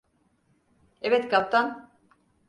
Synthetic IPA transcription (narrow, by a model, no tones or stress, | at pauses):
evɛt̪kʰap̚t̪ʰan